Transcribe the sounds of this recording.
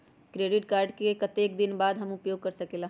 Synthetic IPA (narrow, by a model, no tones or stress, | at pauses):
kɾeːɖɪʈkaːɾɖkekɐt̪eːkd̪ɪnbaːd̪ɦɐmʊpjoːɡ̚kɐɾsɐkeːlaː